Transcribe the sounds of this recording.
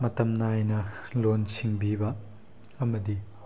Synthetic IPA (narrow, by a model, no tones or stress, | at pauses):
mɐtɐmnajnɐlonsiŋbibɐ | ɐmɐdi